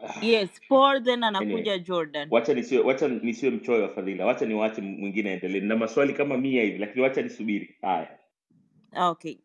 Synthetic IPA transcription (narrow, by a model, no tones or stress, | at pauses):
jɛsfɔɾdɛnanakuʄad͡ʒɔɾdanwat͡ʃanisiwɛwat͡ʃanisiwɛm̩t͡ʃɔwɛwafaðilawat͡ʃaniwaat͡ʃɛmwiŋɡinɛaɛndɛlɛɛnnamaswalikamamiahivilakiniwat͡ʃanisuɓiɾiha̰ja | oke